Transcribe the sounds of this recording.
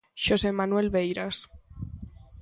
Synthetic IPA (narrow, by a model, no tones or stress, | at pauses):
ʃosemanwelβejɾas